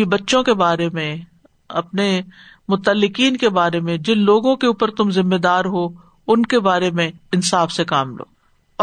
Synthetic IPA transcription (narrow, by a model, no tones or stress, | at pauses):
ibɐtːʃõkebaːɾemẽ | ɐpnemʊt̪əlːɪkiːnkebaːɾemẽd͡ʒɪnloːɡõkeuːpəɾt̪ʊmzɪmːed̪aːɾɦoː | ʊnkebaːɾemẽɪnsaːfsekaːmlo̰ː | ɔː